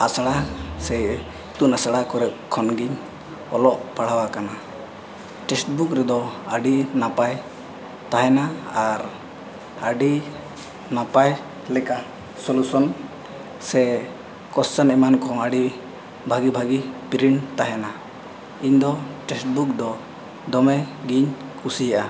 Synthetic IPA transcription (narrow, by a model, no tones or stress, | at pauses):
asaɽasɛ | t̪uʔnasaɽakɔɾɛp̚kʰɔnɡiɲ | ɔ̰lɔʔpaɽ̤awakana | ʈɛsʈ̚bukɾɛd̪ɔaɖinapaj | t̪aɦɛnaaɾ | aɖi | napaj | lɛka | sɔlusɔn | sɛ | kɔssanɛmankʰɔ̃aɖi | bʱaɡibʱaɡipiɾiɳt̪aɦɛna | iɲd̪ɔʈɛsʈ̚buk̚d̪ɔ | d̪ɔmɛɡiɲ | kusijaʔa